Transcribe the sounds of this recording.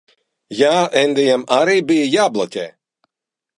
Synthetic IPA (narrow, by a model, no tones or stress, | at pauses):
jaːɛnd̪ɛjɛmaɾiːbijəjaːblˠɔtʲɛ̰ː